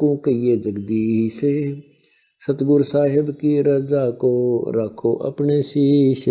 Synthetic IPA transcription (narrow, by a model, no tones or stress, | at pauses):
kõkɐied͡ʒɐɡd̪iɦise | sɐt̪ɡʊɾsaːɦɪbkiɾɐd͡ʒakoɾɐkʰoʔɐ̰pnesiʃ